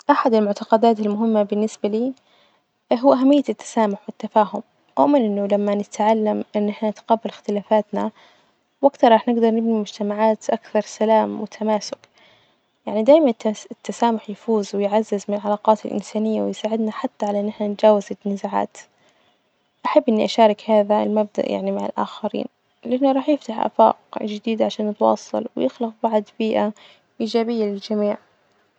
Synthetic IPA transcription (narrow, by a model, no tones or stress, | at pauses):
ʔaħad̪ɪlmʊʕt̪ɑqɑd̪aːt̪almʊɦɪmːabɪnːɪsbaliː | ɦʊwːʔaɦamːɪjːat̪ːḁsaːmʊħwɪt̪ːafaːɦʊm | ʔʊ̰ʔmɪnʔɪnːʊlamːanɪt̪ʕalːamʔɪnːɪħnat̪qɑbːɪlɪxt̪ɪlaːfaːt̪na̰ | wʔakt̪ɑɾˤɑːħnɪɡd̪ɑɾˤnɪbnimʊd͡ʒt̪amaʕaːt̪ʔakθɑɾˤsalaːmwɪt̪ʰamaːsʊk | jaʕnid̪aːjmanɪt̪ːasaːmʊħjfuːzwɪjʕazːɪzmɪnlʕalɑːqɑːt̪ɪ̰lʔɪ̰nsaːnɪjːawɪjsaːʕɪd̪naħat̪ːaʕalaʔɪnːɪħnand͡ʒaːwazanɪzaʕa̰ːt̪ | ʔaħabːʔɪnːiʔaʃaːɾˤɪkhaːðaɪ̰lmab̚d̪a̰ʔja̰ʕnimaʕɪ̰lʔa̰ːxaɾḭːn | lɪʔanːuɾˤɑːħjɪft̪aħʔa̰fa̰ːqd͡ʒɪd̪iːd̪aʕaʃaːnːɪt̪wɑ̰ːsˤːɑ̰lwjɪxlɑq̚bɑʕd̪biːʔa | ʔiːd͡ʒaːbɪjːalɪld͡ʒamiːʕ